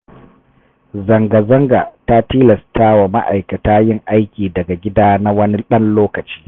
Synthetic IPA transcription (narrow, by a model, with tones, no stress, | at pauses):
zɐ˨ŋɡa˨zɐ˦ŋɡa˨ta˦tiː˦lɐ˨staː˦wa˨ma˦ʔa̰˨jkɐ˨taː˦jɪ˦ŋʔa˦jkʲiː˨dɐ˨ɡa˨ɡʲɪ˦daː˦na˦wɐ˦ni˦ɗɐ˦nloː˦kɐ˨t͡ʃi̥ː˦